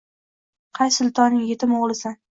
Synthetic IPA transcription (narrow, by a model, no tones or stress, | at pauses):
qʰɑjsʊlˠt̪ʰɒnːɪŋjet̪ʰɪmoʁlˠɪsan